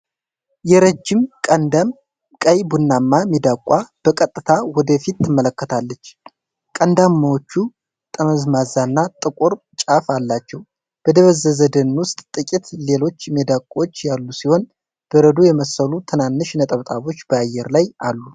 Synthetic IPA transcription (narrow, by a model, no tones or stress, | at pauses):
jɛɾəd͡ʒːɪmkʼənd̪am | kʼəjbunːamːamid̪akʷʼwab̥əkʼət̪ʼːɨt̪ʰawɔd̪əfit̪ːɨmːələkːət̪ʰalːət͡ʃː | kʼənd̪amːawot͡ʃːu | t̪ʼəməzmazanːat̪ʼɨkʼoɾ | t͡ʃʼafalːat͡ʃːɛw | b̥əd̪əβəzəzəd̪ənwʊst̪ʼt̪ʼɨkʼit̪le̞lo̞t͡ʃːmed̪akʷʼot͡ʃːjalːusiho̞n | b̥əɾəd̪ujɛməsəlut̪ʰɨnanːɨʃnət̪ʼəβt̪ʼaβo̞t͡ʃːb̥əajːɛɾlajalːu